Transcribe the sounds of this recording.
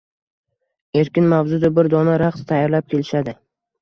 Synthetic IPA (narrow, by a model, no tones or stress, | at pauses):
e̞ɾkʲɪnmavzʊd̪abɪɾd̪ɒnaɾaqst̪ʰajɒɾlap̚kʲʰe̞lɪʃad̪ɪ